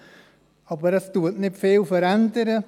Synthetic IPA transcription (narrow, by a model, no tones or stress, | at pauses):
ɑːbəɾəstuətnɪtfeːlfəɾɛndəɾə